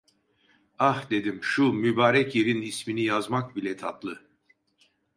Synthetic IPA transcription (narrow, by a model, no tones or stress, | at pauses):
ahd̪e̞d̪imʃumybaːɾɛcjeɾinisminijazmak̚bilʲɛt̪ʰat̪lˠɯ